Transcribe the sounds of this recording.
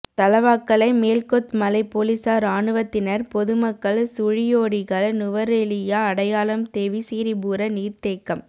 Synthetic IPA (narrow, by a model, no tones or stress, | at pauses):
t̪ɐlɐʋaːkːɐɭɐɪmeːlkɔt̪mɐlɐɪpoːlɪsaːɾaːɳɯʋɐt̪ːɪnɐɾpɔðɯmɐkːɐɭsʊɻɪjoːɽɪɣɐɭnʊʋɐɾɛlɪjaːɐɽɐjaːlɐmt̪eːʋisiːɾɪbuːɾɐniːɾt̪eːkːɐm